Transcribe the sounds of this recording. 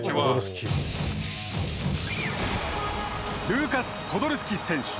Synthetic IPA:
ooɾɯskʲi | ɾʲɨːkasɨ̥kʰo̞d̪oɾɯ̟sɨ̥kʲisẽ̞ɰ̃ɕɨ̥

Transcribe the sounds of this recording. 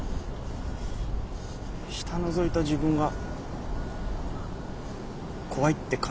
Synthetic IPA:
ɕi̥t̪ano̞zo̞it̪aʑibɯ̟̃ŋɡa | kʰo̞βait̪ːe̞kʰa

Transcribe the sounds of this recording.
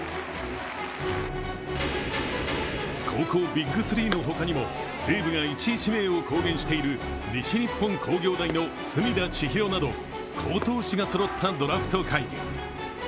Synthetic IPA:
kʰo̞ːko̞ːbʲiɡːɯ̟sɨɾʲiːno̞ɦo̞kaɲ̟imo̞ | seːbɯ̟ɡait͡ɕiɕime̞ːo̞ko̞ːɡẽ̞ɰ̃ɕi̥t̪e̞iɾɯ̟ | ɾʲiɕiɲʲipːõ̞ŋkʰo̞ːɡʲo̞ːd̪aino̞ | sɨmʲid̪at͡ɕiçiɾo̞nad̪o̞̰ | kʰo̞ːt̪o̞ːɕiɡasoɾo̞t̪ʰːad̪o̞ɾaɸɯ̟̥t̪o̞kʰaii

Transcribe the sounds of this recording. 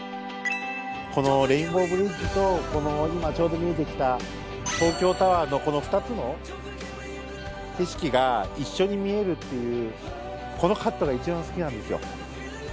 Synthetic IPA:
ko̞no̞ɾẽ̞ĩmbo̞bɯ̟ɾʲid͡ʑit̪o̞ko̞no̞imat͡ɕo̞ːd̪o̞mʲie̞t̪e̞kʲi̥t̪a | t̪o̞ːkʲo̞ːt̪aβano̞ko̞no̞ɸɯ̥t̪at͡sɨno̞ | keɕi̥kʲiɡaiɕːo̞ɲ̟imʲie̞ɾɯ̟t̪ːe̞jɯ̟ː | ko̞no̞kat̪ːo̞ɡait͡ɕibãɰ̃sɨ̥kʲinãnd̪e̞sɨjo̞̰

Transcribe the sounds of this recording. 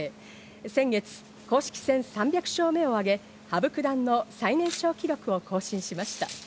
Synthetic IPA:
sẽ̞ŋɡe̞t͡sɨ̥ | ko̞ːɕi̥kʲi̥sẽ̞ɰ̃sãmbʲjakɯ̟̥ɕo̞ːme̞oaɡe̞ | habɯ̟kɯ̟d̪ãnːo̞sainẽ̞ɰ̃ɕo̞ːkʲiɾʲjo̞kɯ̟o̞kʰo̞ːɕĩɰ̃ɕimaɕi̥t̪a̰

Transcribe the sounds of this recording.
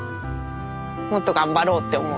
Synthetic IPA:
mot̪ːoɡãmbaɾo̞ːt̪ːe̞omo

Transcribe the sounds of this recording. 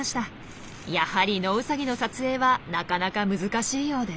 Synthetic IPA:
aɕi̥t̪a | jahaɾʲino̞ɯ̟saɡʲino̞sat͡sɨe̞ːβanakanakamɯ̟zɨkaɕiːjo̞ːd̪e

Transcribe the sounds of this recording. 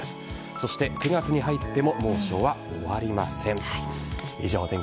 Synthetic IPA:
sɨ̥ | so̞ɕi̥t̪e̞kɯ̟ɡat͡sɨɲ̟iɦait̪ːe̞mo̞mo̞ːɕo̞βaoβaɾʲima̰sẽ̞ŋ | iʑo̞ːt̪ẽ̞ŋ

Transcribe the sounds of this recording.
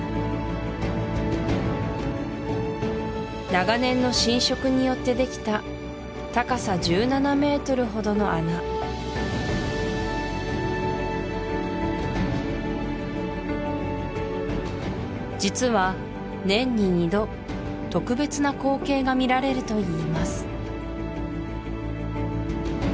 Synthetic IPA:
naɡanẽ̞nːo̞ɕĩɰ̃ɕo̞kɯ̟ɲ̟ijo̞t̪ːe̞d̪e̞kʲi̥t̪a | t̪akasaʑɨːnaname̞ːt̪o̞ɾɯ̟ɦo̞d̪ono̞ʔana | d͡ʑit͡sɨβa | nẽ̞ɲ̟ːiɲ̟id̪o̞ | t̪o̞kɯ̟be̞t͡sɨnako̞ːke̞ːɡamʲiɾaɾe̞ɾɯ̟t̪o̞iːmasɨ̥

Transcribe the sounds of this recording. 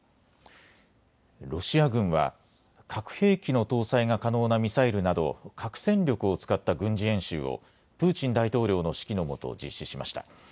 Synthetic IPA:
ɾo̞ɕiaɡɯ̟̃ɰ̃βa̰ | kʰakɯ̟̥he̞ːkʲino̞t̪o̞ːsaiŋakano̞ːnamʲisaiɾɯ̟nad̪o̞̰kʰakɯ̟̥sẽ̞nɾʲo̞kɯ̟o̞t͡sɨ̥kat̪ːaɡɯ̟̃ɲ̟d͡ʑiẽ̞ɰ̃ɕɨ̰ːo̞̰ | pɯ̟ːt͡ɕĩnd̪ait̪o̞ːɾʲo̞ːno̞ɕi̥kʲino̞mo̞t̪o̞̰d͡ʑḭɕːiɕima̰ɕi̥t̪a̰

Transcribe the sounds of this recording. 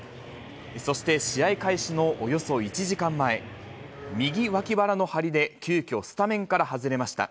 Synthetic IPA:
eso̞ɕi̥t̪e̞ɕiaikaiɕino̞ʔːjo̞so̞it͡ɕiʑikãmːae̞ | mʲiɡʲiβakʲibaɾano̞haɾʲid̪e̞kʲɨːkʲo̞sɨ̥t̪amẽ̞ŋkaɾahazɨɾe̞maɕi̥t̪a̰

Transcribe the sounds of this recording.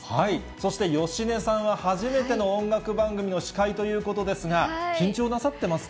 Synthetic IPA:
hai | so̞ɕi̥t̪e̞jo̞ɕine̞sãɰ̃βahaʑime̞t̪e̞no̞õŋɡakɯ̟bãŋɡɯ̟mʲino̞ɕi̥kait̪o̞jɯ̟ːko̞t̪o̞d̪e̞sɨɡakʲĩɲ̟t͡ɕoːnasat̪ːe̞masɨ̥

